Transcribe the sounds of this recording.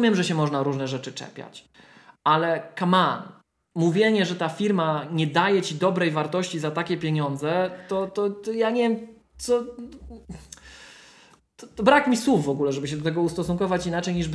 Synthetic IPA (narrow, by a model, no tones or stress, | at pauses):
mʲjɛmʐɛɕɛmɔʐnaɾuʐnɛʐɛt͡ʂɘt͡ʂɛ̰pʲja̰t͡ɕ | ʔalɛkaman | muvʲjeɲɛʐɛt̪afʲiɾmaɲɛd̪ajɛt͡ɕid̪ɔbɾɛjvaɾt̪ɔɕt͡ɕizat̪akʲɛpʲjeɲɔnd̪zɛt̪ɔt̪ɔt̪ɔjaɲɛvjɛm | t̪sɔ | t̪ɔt̪ɔbɾakmʲiswufːɔɡulɛʐɛbɘɕ̬ɛd̪ɔt̪ɛɡɔust̪ɔsuŋkɔvat͡ɕinat͡ʂɛjɲiʐb